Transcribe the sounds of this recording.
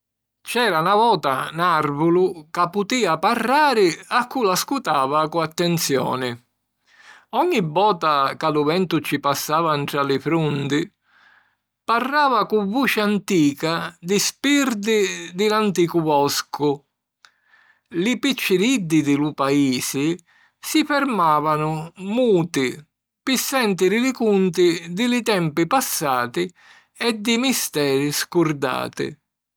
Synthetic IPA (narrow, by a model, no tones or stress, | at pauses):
t͡ʃɛːɾanavɔːt̪anarvʊlʊkapːut̪iːaparːaːɾɪakːulaskut̪aːvakuat̪ːɛnt̪sjɔ̰ːnɪ | ɔɲːibːɔːt̪akalʊvɛnt̪ʊt͡ʃːipasːaːvaɳʈ̪ɾalɪfɾund̪ɪ | parːaːvakuvuːt͡ʃɪant̪iːkad̪ɪspird̪ɪd̪ɪlant̪iːkʊbɔskʊ | lɪpit͡ʃːɪɾid̪ːɪd̪ɪlupaiːsɪ | sifɛɾmaːvanʊmuːt̪ɪ | pɪsːɛnt̪ɪɾɪlɪkunt̪ɪd̪ɪlɪt̪ɛmpɪpasːaːt̪ɪ | ɛd̪ːɪmist̪ɛːɾɪskurd̪a̰ːt̪ɪ̰